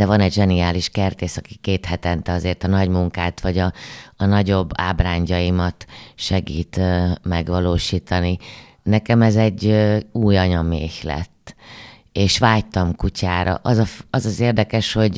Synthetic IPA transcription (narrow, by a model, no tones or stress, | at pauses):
d̥̪ɛvɒnɛɟʒɛnijaːliʃkɛrt̪eːsɒki̥keːt̪hɛt̪ɛnt̪ɛɒzeːrt̪ɒnɒɟmuŋkaːt̪ʋɒɟɒːnɒɟo̞bːa̰ːbraːɲɟɒjimɒt̪ʃɛɡḭːt̪ːmɛɡʋɒloːʃiːt̪ɒni | nɛkɛmɛzɛɟːøuːjɒɲɒmeːçlɛ̰t̪ː | eːʃʋaːjt̪ɒmkucʰaːɾɒ̰ʔɒzɒɒzɒzeːrd̪ɛkɛʃho̞ɟ